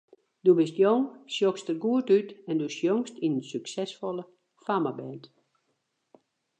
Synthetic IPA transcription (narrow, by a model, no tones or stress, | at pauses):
dubɪstjoŋsjokstərɡuətytɛndusjoŋstinənsyksɛsfɔlˠə | famabɛnt